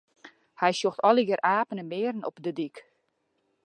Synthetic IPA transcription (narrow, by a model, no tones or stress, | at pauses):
hɛjsjoxtɔlˠəɡəɾʔaːpənəmɪərən̩ɔ̰pdədik